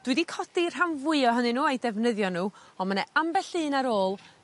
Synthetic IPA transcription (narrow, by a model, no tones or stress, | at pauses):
d̥wɨdikʰɔdir̥ɦanvʊɨɔɦənɨnuːajdɛvnəðjɔnuːɔmənɛambɛɬɨːnaɾoːlˠ